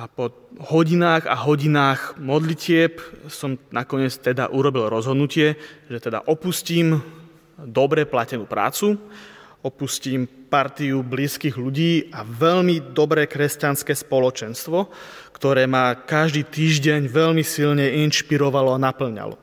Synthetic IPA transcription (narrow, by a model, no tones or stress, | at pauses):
apɔ | hɔɟinaːɣa̰ɦɔɟinaːɣmɔd̪licɪɛpsɔmnakɔɲɪɛt͡st̪ɛd̪a̰ʔuɾɔbilɾɔzɦɔd̪nucɪɛʒɛt̪ɛd̪a̰ʔɔpusciːm | d̪ɔbɾɛplacɛnuːpɾa̰ːt͡su | ɔpusciːmpaɾt̪iubliːskiːɣʎuɟiːaʋɛʎmid̪ɔbɾɛːkɾɛscanskɛːspɔlɔt͡ʃɛnst̪ʋɔ | kt̪ɔɾɛːmakaʒd̪iːt̪iːʒɟɛɲʋɛʎmisilɲɛinʃpiɾɔʋalɔanapl̩ɲa̰lɔ̰